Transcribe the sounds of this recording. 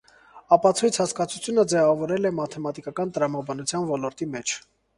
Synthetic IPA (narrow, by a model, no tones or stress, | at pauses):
ɑpɑt͡sʰujt͡sʰhɑskɑt͡sʰut͡sʰjunəd͡zɛvɑvɔɾɛlɛmɑt̪ʰɛmɑt̪ikɑkɑnt̪əɾɑmɑbɑnut͡sʰjɑnvɔlɔɾt̪imɛt͡ʃʰ